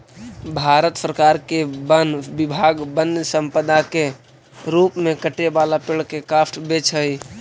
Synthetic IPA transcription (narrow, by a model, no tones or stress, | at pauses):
bʱaːɾət̪səɾəkaːɾkebənbɪbʱaɡbənsə̃mpəd̪ake | ɾuːpmẽkəʈebalapɪɭkekaːsʈbet͡ʃʰɦəi